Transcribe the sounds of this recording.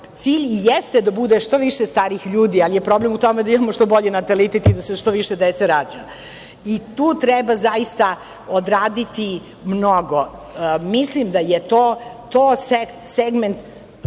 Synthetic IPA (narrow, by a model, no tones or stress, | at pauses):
t̪siːʎjest̪ed̪abud̪eʃt̪o̞ʋiʃest̪aːɾixʎuːd̪ialijepɾoblemut̪o̞med̪aimamoʃt̪o̞bo̞ʎenat̪alit̪et̪id̪aseʃt̪o̞ʋiʃɛd̪ɛt̪seɾaːd͡ʑa | it̪uːt̪ɾɛbazaist̪a | od̪ɾaːd̪it̪i | mnoɡo | mislimd̪ajet̪oːt̪oːsekseɡment̪